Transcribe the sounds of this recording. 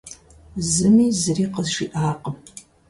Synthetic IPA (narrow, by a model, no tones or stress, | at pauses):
zɨmiːzɨriːqəzʃiʔaːqʼəm